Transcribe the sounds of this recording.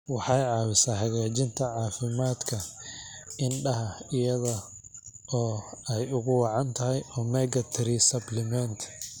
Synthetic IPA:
wɑħɑjʕɑːwɪsaːhɐɣaːt͡ʃɪnt̪ʰɐʕɑːfɪmaːd̪kʰɐ | ɪnɖɐɦɐɪjɐðɐ | ɔːɛjʊɣʊwɑʕɑnt̪ʰɐɦɛjɔːmɛɡɐt̪ʰɾisɐblɪmɛnt̪ʰ

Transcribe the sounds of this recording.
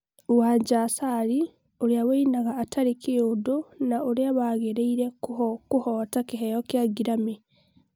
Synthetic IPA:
uwaɲɟasaɾi | uɾiaweinaɣaːtʰaɾikiudunauɾiaβaɣeɾeiɾekuhotakiɦejokjaɡiɾami

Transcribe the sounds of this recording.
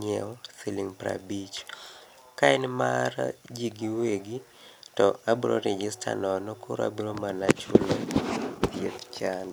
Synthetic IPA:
ɲɛsiliŋpɾa̰bit͡ʃ | kaɛnmard͡ʒiɡiweɡi | tɔabuɾo̰ɾɛd͡ʒɪstʰa̰nɔnɔkʰʊɾa̰buɾomalat͡ʃolot̪jet̪t͡ʃan

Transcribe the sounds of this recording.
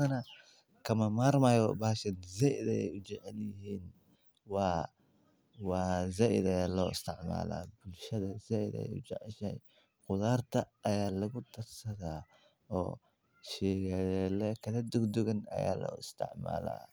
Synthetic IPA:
ɐnɐ | kʰɐmɐmaːɾmaːjɔbaːʃɐnzɛʔɪðɛɛ̰jʊd͡ʒɛʕɛljɪɦiːn | wɑː | wɑːzɛʔɪðɐjaːlɔːɪst̪ʰɪʕma̰ːla̰ːbʊlʃɐðɐzɐɪðɛ̰jʊ̰d͡ʒɛʕɛʃɛj | qʊðaːrt̪ʰɐːjaːlɐɣʊt̪ʰɐɾsɐðaː | ɔ̰ː | ʃɛːɣɛɛlɛkʰɐðɐd̪ʊɡd̪ʊɣɐnɐ̰ja̰ːlɔ̰ɪst̪ʰɪ̰ʕma̰ːla̰

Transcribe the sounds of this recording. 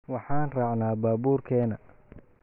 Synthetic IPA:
wɑħɑːnraːʕnaːbaːbuːrkʰɛːnɐ

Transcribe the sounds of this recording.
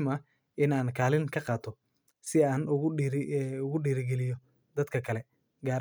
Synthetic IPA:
mɐ | ʔɪnaːnkʰaːlɪŋkʰɐqɑːt̪ʰɔ | sɪaːnʊɾʊɣʊɖiːɾɡɛlɪjɔ | d̪ɐd̪kʰɐkʰɐlɛ | ɡaːɾ

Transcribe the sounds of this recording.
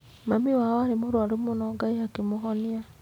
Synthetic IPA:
mamiwaɔaɾemoɾwaɾumonɔɡaiakemoɦɔnia

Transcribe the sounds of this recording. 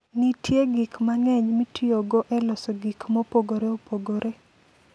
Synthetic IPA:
nitʰjeɡikmaŋɛɲmitʰioɡɔʔɛlɔsɔɡikmopoɡoɾeopoɡoɾe

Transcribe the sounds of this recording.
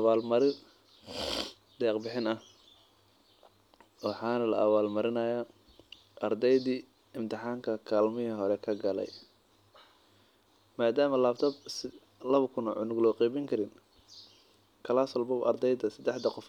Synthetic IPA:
ʔɐβaːlmɐɾɪ | d̪̥ɛːqbɪħɪnɐh | wɑħɑːnɐlɐ̰ʔɐβaːlmɐɾɪnɐjaː | ʔɐrd̪ɛjðiː | ɪmt̪ʰɪħɑːŋkʰɐkʰaːlmɪɦɪɦɔɾɛkʰɐɡɐlɛ̰j | maːd̪aːmɐlaːbt̪ʰɐbs | lɐβɐkʰʊnɔʕʊnʊɡlɔːqiːbɪŋkʰɐɾɪn | kʰɐlaːsɐlbɔbʔɐ̰rd̪ɛjd̪ɐsɐd̪ɛħd̪ɐqɔf

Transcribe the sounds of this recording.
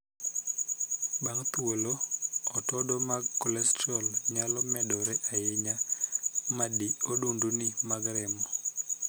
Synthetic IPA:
baŋt̪woloɔtɔdɔmaɡkɔlɛstɔlɲalɔmɛdɔɾɛʔajɪɲa | madiodundunɪmaɡɾɪmɔ

